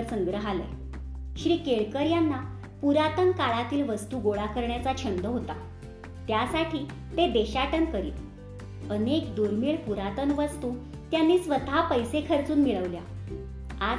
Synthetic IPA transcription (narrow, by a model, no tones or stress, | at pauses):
əɾsəŋɡɾəɦalə̰j | ɕɾiːkeɭkəɾjanːa | puɾat̪ənkaɭat̪iːlʋəst̪uːɡoɭakəɾɳjat͡sat͡ɕʰənd̪əɦot̪a | t̪jasaʈʰiː | t̪ed̪eɕaʈənkəɾḭːt̪ | ənekd̪uɾmiɭpuɾat̪ənʋəst̪uː | t̪janːiːsʋət̪apəjsekʰəɾt͡suːnmiɭəʋlja | a